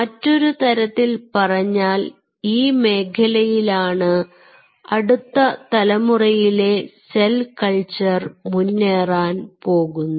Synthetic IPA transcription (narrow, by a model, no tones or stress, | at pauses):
mɐtːo̞ɾut̪ɐɾɐt̪ːilpɐrɐɲːaːl | iːme̞ːkʰɐlɐjilaːɳɨ | ɐɽut̪ːɐt̪ɐlɐmurɐjile̞selkɐɭt͡ɕɐrmunːeːraːnpo̞ːɣunːu